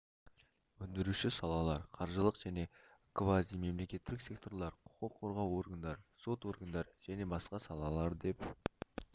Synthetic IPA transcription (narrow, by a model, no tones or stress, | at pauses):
wɵnd̪ɪɾuʃɪsɑlˠɑlˠɑɾqʰɑɾʒəlˠəqʒ̥æne̞kvazd̪ijme̞mle̞kʲe̞t̪ːɪɪksek̚t̪o̞ɾlˠɑɾqʰʊ̥qəqʰːoɾʁɑwo̞rɡand̪ɑɾso̞t̪wo̞rɡand̪ɑɾʒ̥æne̞bɑsqɑsɑlˠɑlˠɑɾd̪e̞p